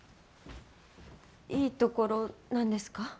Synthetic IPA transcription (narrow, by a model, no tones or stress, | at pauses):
iːt̪o̞ko̞ɾo̞nãnd̪e̞sɨ̥ka